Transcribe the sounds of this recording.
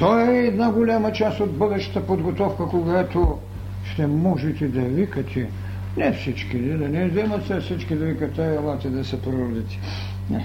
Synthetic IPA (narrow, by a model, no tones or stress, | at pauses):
t̪ɔɛːd̪naɡolʲamɐt͡ʃast̪od̪bɤd̪ɛʃə̥t̪əpod̪ɡot̪ɔfkəkoɡat̪o | ʃt̪ɛmɔʒɛt̪ɛd̪ɐvikɐt̪ʰɛ | nɛfsit͡ʃkid̪id̪ɐnɛzimɐt̪sɛsit͡ʃkid̪ɐvikɐt̪ːɛɐlˠat̪ɛd̪ɐsɐpɾood̪it̪i̥ | nɛ